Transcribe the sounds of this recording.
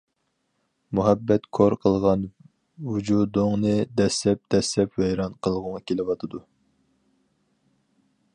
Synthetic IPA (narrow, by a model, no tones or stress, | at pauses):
muɦɛbːɛt̪kʰoɾqʰəlˠʁɑn | wud͡ʒud̪oŋnɨd̪ɛslɛp̚d̪̥ɛslɛpwɛjɾɑnqʰəlˠʁʊŋɑkʲʰelɪwɑt̪ʰɨd̪u